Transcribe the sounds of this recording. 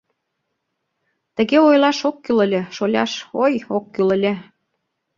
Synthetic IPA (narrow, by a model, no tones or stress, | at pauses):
t̪ə̆ɣeojlˠɑʃokːylə̆lʲeʃolʲɑ̰ʃojokːylə̆lʲĕ